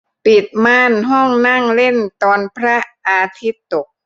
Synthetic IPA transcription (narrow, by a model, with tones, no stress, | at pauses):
pi˨˩t̪̚maː˧˥˩nɦɔ˥˩ŋna˥˩ŋle˥˩nt̪ɔː˧npʰɾa˦˥ʔaː˧t̪ʰi˦˥t̪ːo˨˩k̚